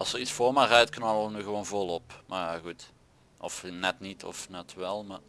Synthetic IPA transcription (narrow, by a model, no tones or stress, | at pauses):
ɑlˠsəritsfoːmarœɥtknɑlənyɣəʋonvɔlˠɔpmajaɣut | ʔɔfnɛtnitʰɔ̰fnɛtʋɛlˠma